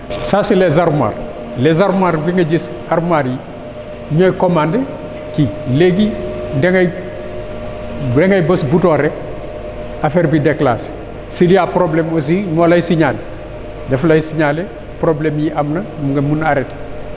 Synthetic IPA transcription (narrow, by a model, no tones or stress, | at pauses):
sasilezaɾma̰r | lezaɾmwaɾbiŋɐɟis | aɾmaɾji | ɲojkomande | kileɡindeŋaj | deŋajbosbutoːɾe | afeɾbidekla̰ːs | silijapɾoblemos̬inolajsiɲale | deflajisiɲale | pɾoblemjiʔamnɐmuŋɡɐmunaɾet